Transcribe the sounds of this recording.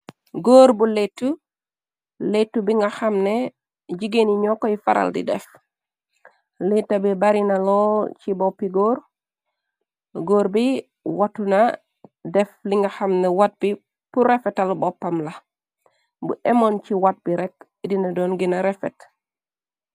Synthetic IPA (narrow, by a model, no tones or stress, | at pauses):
ɡoːɾbuletːu | letːubiŋɡaxamne | ɟiɡeniɲɔkːojifaɾʔa̰ldḭdɛ̰f | letːabibaɾinalot͡ʃibɔpːiɡoːɾ | ɡoːɾbi | watuna | dɛfliŋɡaxamnewat̚bi | puɾefɛtalbɔpːamla | bṵʔɛmont͡ʃiwat̚biɾɛk̚ | dinadɔːnɡinaɾefɛt